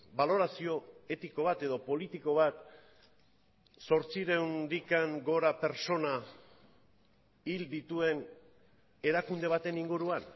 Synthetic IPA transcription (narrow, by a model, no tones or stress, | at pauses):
balo̞ɾasio̞e̞t̪iko̞β̞at̪e̞ðo̞po̞lit̪iko̞βat̪ | so̞ɾt͡siɾe̞wnɾikaŋɡo̞ɾape̞ɾt͡so̞na | ild̪it̪ue̞n | e̞ɾakund̪e̞β̞at̪e̞niŋɡuɾuan